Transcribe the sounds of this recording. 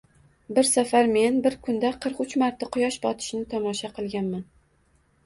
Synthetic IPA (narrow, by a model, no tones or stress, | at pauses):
bɪɾsafaɾme̞nbɪɾkʰʊnd̪aqʰɨɾqʊt͡ʃmaɾt̪ʰaqʰʊjɒʃbɒt̪ʰɪ̥ʃnɪt̪ʰɒmɒʃaqʰɨlˠɡʲanman